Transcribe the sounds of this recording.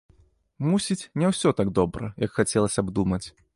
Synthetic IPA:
musʲit͡sʲnʲɛwsʲɔt̪aɡd̪ɔbɾɐ̰jɐkxat͡sʲɛlˠɐsʲɐbd̪umɐt͡sʲ

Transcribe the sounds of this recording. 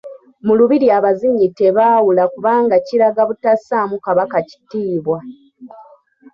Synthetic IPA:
muluβiɾiaβaziɲːite̞βaːwulakuβaːŋɡaciɾaɡaβutasamukaβakaci̥tiːβwa

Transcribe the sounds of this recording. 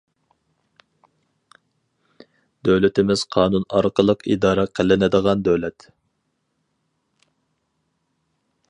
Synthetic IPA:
d̪øwlɪt̪ɪmɪz̥qʰɑːnunɑ̰ɾqəlˠəqʰḭd̪ɑːɾɛqʰəlɪnɪd̪əʁɑnd̪øwlɛt̪

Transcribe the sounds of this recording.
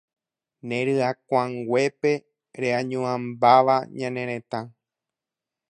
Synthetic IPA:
nẽɾɨakʷãŋɡwʷe̞pe | ɾeãɲũãmbaʋaɲãnẽ̞ɾ̃ẽ̞t̪ã

